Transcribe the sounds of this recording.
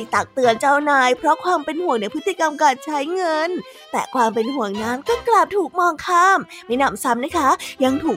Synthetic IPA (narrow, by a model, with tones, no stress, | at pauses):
i˧˩t̪a˨˩k̚t̪ɯ˧ənt͡ɕaː˧˩wnaː˧jpʰɾɔ˦˥kʰwaː˧mpe˧nhu˨˩˦əŋnɛ˧˩jpʰɯ˦˥t̪ʰːiː˧˩ka˧mkaː˧nt͡ɕʰa˦˥jŋɤ˧n | t̪ɛ̰ː˨˩kʰwaː˧mpe˧nhu˨˩˦əŋnaː˦˥nkɔː˥˩klaː˨˩p̚t̪ʰuː˨˩k̚mɔː˧ŋkʰaː˧˥˩mma˥˩jnaː˧˩msa˦˥m̚na˦˥kʰa˦˥ja˧ŋt̪ʰuː˨˩k̚